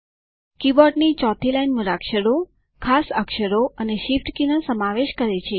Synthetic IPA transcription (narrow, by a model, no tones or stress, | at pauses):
kibɔɖnit͡ʃɔt̪ʰilainmuɾakʃəɾo | kʰasəkʃəɾoəneʃifʈkinəsəmaʋeʃkəɾet͡ʃʰe